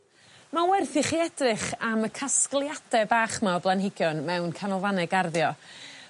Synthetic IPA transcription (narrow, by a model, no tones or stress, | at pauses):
mawɛrθɪχiɛdrɨχaməkʰasklˠjad̥ɛbaːχmablˠanhɪɡjɔnmɛwnkʰanɔvanɛɡarðjɔ